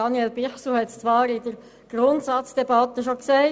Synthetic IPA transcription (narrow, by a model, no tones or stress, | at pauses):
ɑnjɛlbɪχsuhɛtst͡sʋɑːɾɪdəɾ | ɡ̥ɾʊntsɑt͡sd̥ɛbɑt̪ːəʃoksæɪ